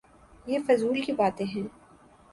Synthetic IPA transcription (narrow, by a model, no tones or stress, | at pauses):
jeːfɐzuːlkibaːt̪ẽɦɛ̃ː